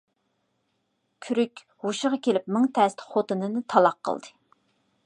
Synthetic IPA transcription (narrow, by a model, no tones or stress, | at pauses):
kʲʰyɾykʲ | huʃəʁɑkʲʰelɪpmɪŋt̪ʰɛst̪χot̪ɨnɨnɨt̪ʰɑlˠɑqʰːə̰lˠd̪ɨ